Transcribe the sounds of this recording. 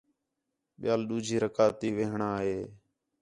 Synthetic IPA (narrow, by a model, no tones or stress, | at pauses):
ɓɪjaːlɗuːd͡ʒʱiːɾəkaːt̪iːʋeːɦɳaːɦeː